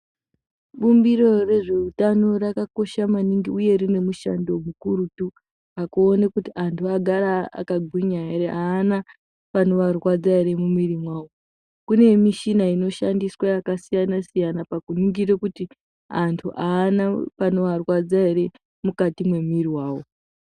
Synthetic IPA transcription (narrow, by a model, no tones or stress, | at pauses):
ɓumbiro̞re̞ʐe̞utano̞rakako̞ʃamaniŋɡiuje̞rine̞muʃa̰ndo̞mukuɾutu | akuːnekutiantʰuaɡʱaɾaa̰kaɡʱwiɲaɦeɾeʔaːna | pano̞ʋarwad͡zaiɾe̞mumiɾimwaːwo | kune̞miʃinaino̞ʃandiswaakasijanasijanapakunuŋɡiɾekuti | antʰuʔaːnapano̞ʋarwad͡zaiɾe̞ | mukatimwe̞miriwaːwo